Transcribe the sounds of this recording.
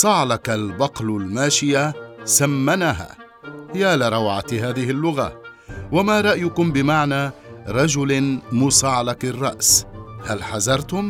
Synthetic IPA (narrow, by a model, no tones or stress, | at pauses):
sˤɑʕlɑkalbɑqlʊlmaːʃɪjasamːanaɦa̰ː | hjaːlɪɾˤɑwʕat̪ɦaːðɪhɪlːʊɣa̰ | wamaːɾˤɑʔjʊkʊmbɪmaʕnaː | ɾˤɑd͡ʒʊlmʊsˤɑʕlɑkɪrˤːɑ̰ʔshalħazɑɾˤt̪ʊm